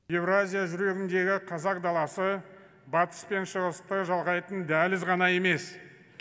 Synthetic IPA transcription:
je̞vrazʲijaʒʏɾe̞ɡʲɪnd̪e̞ɡʲɪqʰɑzɑq̚d̪ɑlˠɑsə | bɑt̪ə̥spe̞nʃəʁəst̪əʒɑlˠʁɑjt̪ənd̪ælɪzʁɑnɑje̞me̞s

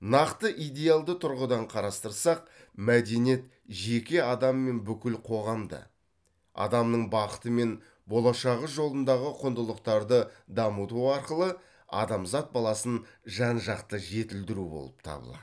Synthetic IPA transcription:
nɑqt̪əʔijd̪e̞jalˠd̪ət̪ʰʊɾʁəd̪ɑɴqʰɑɾɑst̪əɾsɑq̚ | mæd̪e̞nje̞t̪ | ʒe̞kʲeɑd̪ɑmːe̞nbʏkʲɪlqʰo̞ʁɑmd̪ə̰ | ɑ̰d̪ɑmnəɴbɑqət̪əme̞n | bo̞lˠɑʃɑʁəsʒo̞lˠənd̪ɑʁəqʰʊnd̪əlˠəqt̪ɑɾd̪əd̪ɑmut̪uɑɾqəlˠə | ɑ̰d̪ɑmzɑt̪̚bɑlˠɑsənʒɑnʒɑqt̪əʒe̞t̪ɪld̪ɪɾubo̞̰lˠəp̚t̪ʰɑ̰bə̰lˠɑ̰

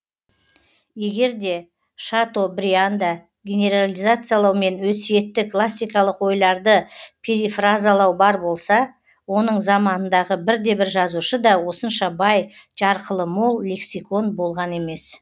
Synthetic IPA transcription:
je̞ɡʲe̞ɾd̪e̞ | ʃat̪o̞bɾʲiand̪a | ɡʲenʲe̞ɾalʲijzat̪sɨjalˠɑwme̞nwɵsije̞t̪ːɪkʰlˠasʲːijkɑlˠəqwo̞jlˠɑɾd̪əpʲʰeɾifrazalˠɑwbɑɾbo̞lˠsɑ | wo̞nəɴzɑmɑnənd̪ɑʁəbɪɾd̪e̞bɪɾʒɑzuʃəd̪ɑwo̞sənʃɑbɑjʒɑɾqəlˠəmo̞lˠːʲe̞ksiko̞nbo̞lˠʁɑne̞me̞s

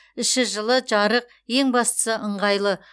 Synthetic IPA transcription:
ɪʃɪʒəlˠəʒɑɾəq̚ | je̞ŋbɑst̪ə̥səʔəɴʁɑjlˠə

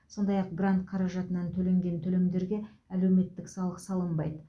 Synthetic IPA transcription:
so̞nd̪ɑjɑq̚ɡrant̪̚qʰɑɾɑʒɑt̪ənɑnt̪ʰɵle̞ŋɡʲe̞nt̪ʰɵle̞md̪e̞ɾɡʲe̞æle̞wme̞t̪ːɪksɑlˠəqsɑlˠəmbɑjd̪ə

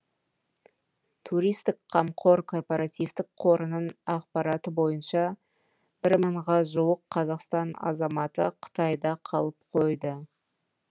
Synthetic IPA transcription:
t̪ʰuɾijst̪ɪkqʰɑmqʰo̞ɾkʰo̞rpeɾat̪ijft̪ɪk̚qʰo̞ɾənənɑqpɑɾɑt̪əbo̞jənʃɑ | bɪɾməɴʁɑʒuwəqʰːɑzɑqst̪ɑnɑ̰zɑmɑt̪əqʰə̥t̪ɑjd̪ɑqʰɑlˠəp̚qʰo̞jd̪ə

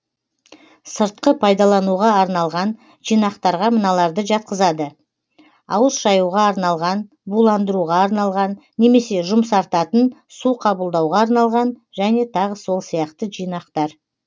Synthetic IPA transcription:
səɾt̪̚qəpʰɑjd̪ɑlˠɑnuʁɑːɾnɑlˠʁɑn | ʒ̥ijnɑqt̪ɑɾʁɑmənɑlˠɑɾd̪əʒɑt̪̚qəzɑd̪ə | ɑwəsʒɑjuʁɑːɾnɑlˠʁɑn | bulˠɑnd̪əɾuʁɑːɾnɑlˠʁɑnːe̞me̞se̞ʒʊmsɑɾt̪ɑt̪ənsuqʰɑbəlˠd̪ɑwʁɑːɾnɑlˠʁɑnʒæne̞t̪ʰɑʁəso̞lˠsijɑqt̪əʒijnɑqt̪ɑɾ

